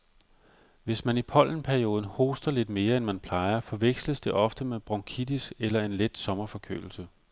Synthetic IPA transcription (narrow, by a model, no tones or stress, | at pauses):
ʋe̝smænipʰɒ̽l̰n̩pʰæɐio̝ːð̞ˠn̩ho̝ːsd̥ɐle̝d̥me̝ːɐenmænpʰl̥ɑ̈ɪɐfɒ̽ʋeɡ̥sləsd̥e̝ʔɒ̽fd̥əmeb̥ʁɒŋkʰid̥isɡ̥elɐe̝nled̥sɒ̽mɐfɒ̽kʰø̰ːl̩sə